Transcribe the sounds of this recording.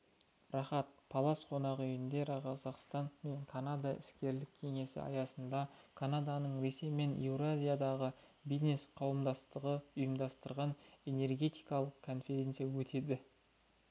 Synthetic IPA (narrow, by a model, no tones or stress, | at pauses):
rɑχɑt̪̚pʰolˠɑsqʰo̞nɑʁəʏjɪnd̪e̞ɾqʰɑzɑqst̪ɑnme̞ɴkʰanad̪aʔɪ̰skʲe̞ɾlɪkʲʰːe̞ŋe̞sɪ̰ɑ̰jɑsənd̪ɑkʰanad̪ɑnəɴɾe̞se̞jme̞newɾazʲijad̪ɑʁə | bizne̞sqʰɑwəmd̪ɑst̪əʁəʊjəmd̪ɑst̪əɾʁɑne̞ne̞rɡʲe̞t̪ijkɑlˠəqkʰːo̞nfʲe̞ɾʲe̞nt̪sɨjawɵt̪ʰe̞d̪ɪ